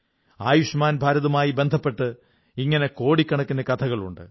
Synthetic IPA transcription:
aːjuʂmaːnbʱaːɾɐðɐumaːjibe̞nd̪ʱɐpːe̞ʈːɨ | iŋːɐneko̞ːɽikʲːɐɳɐkːunːɐkɐt̪ʰɐɣɐɭṵɳɖɨ

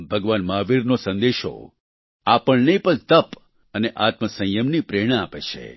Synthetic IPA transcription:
bʱəɡʋanmaːʋiɾnosə̃nd̪eʃo̰ | apəɭneipəɳt̪əp | əneʔat̪məsə̃jjəmnipɾeːɽ̃aapet͡ʃʰḛ

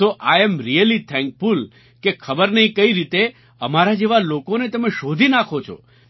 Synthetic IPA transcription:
oʔajɛ̃mɾiəlit̪ʰɛ̃ŋkful | kekʰəbəɾnəĩkəiɾit̪e | əmaɾad͡ʒeʋalokonet̪əmeʃod̪ʱinakʰot͡ʃʰo̰

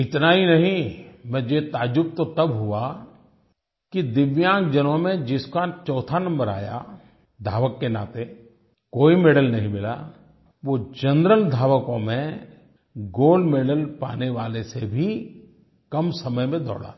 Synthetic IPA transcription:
ɪt̪nainɐɦĩmɛ̃d͡ʒoet̪aːd͡ʒʊp̚t̪ot̪ɐbɦʊa | kid̪ɪʋjãːk̚d͡ʒənõmẽd͡ʒɪskat͡ʃɔːt̪ʰanɐ̃mbəɾa̰ːja̰ | d̪ʱaːʋəkːena̰ːt̪e | koːimeːɖəlnɐɦĩmɪla̰ | ʋod͡ʒɐ̃nd̪ɾəld̪ʱaːʋəkõmẽ | ɡoːlɖmeːɖəlpa̰ːneʋaːlesebʱi | kɐmsɐməjmẽd̪ɔ̰ːɽa̰ː

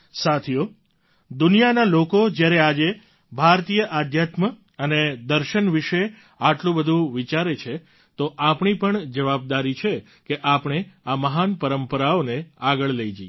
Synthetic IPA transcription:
sat̪ʰijo | d̪ʊnijanalokod͡ʒjaɾead͡ʒe | bʱaɾt̪ijəʔad̪ʱjat̪mə | əned̪əɾʃənʋiʃe | aʈlũbəd̪ʱũʋit͡ʃaɾet͡ʃʰe | t̪oʔapɳ̃ipəɳd͡ʒəʋab̚d̪aɾit͡ʃʰe | keʔapɳ̃eaməɦanpəɾəmpəɾaoneaɡəɭləid͡ʒḭ

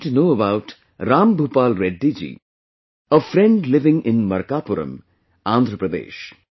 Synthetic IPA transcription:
ʈunoːəbaʊʈ | ɾãːmbʱupaːlɾɛɖːid͡ʒḭː | əfɾɛ̃ɳɖlɪʋɪ̃ŋʔɪ̃nmɐɾkaːpʊɾə̰̃m | ãnd̪ʱɾəpɾəd̪ḛːʃ

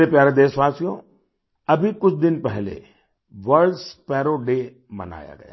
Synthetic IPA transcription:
epjaːɾed̪eːʃʋaːsijõ | ɐbʱikʊt͡ʃʰd̪ɪnpɛɦlḛ | ʋəɾspɛːɾoɖe | mɐ̰na̰ːja̰ɡɐ̰ja̰ː

